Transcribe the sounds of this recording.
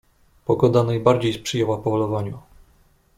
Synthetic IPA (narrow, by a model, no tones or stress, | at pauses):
pɔɡɔd̪anajbaɾd͡ʑejspʂɘjɛwapɔvɔlɔvaɲu